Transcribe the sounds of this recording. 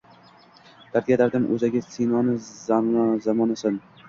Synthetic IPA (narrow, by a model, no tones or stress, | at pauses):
d̪̥aɾɡʲad̪aɾd̪ɪmʔɵ̰zaɡʲasinɒnɪzzamɒnasɪn